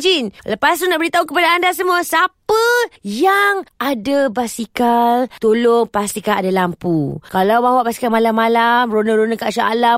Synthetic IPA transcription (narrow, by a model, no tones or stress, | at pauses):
d͡ʒinləpasunaʔbəɾit̪aukəpadaːndasəmuasapəjaŋadabasikalt̪oloŋpast̪ikaadalampukalawbawaʔbasi̥kalmalamːalamronəɾonəkaʔʃaa̰la